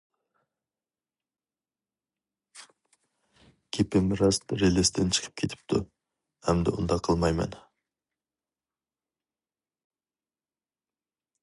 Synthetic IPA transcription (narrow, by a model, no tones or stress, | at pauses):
kʲʰepemɪɾɑsɾelest̪ent͡ʃʰə̥qʰə̥p̚kʲʰe̞t̪ɪ̥p̚t̪ʊ | æmd̪ɪ̰ʊ̰nd̪ɑqʰəlˠmɑjmɑ̰n